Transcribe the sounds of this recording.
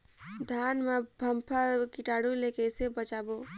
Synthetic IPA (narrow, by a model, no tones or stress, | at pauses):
d̪ʱanmebʱəmpʰakiʈaɽulekesebət͡ʃabo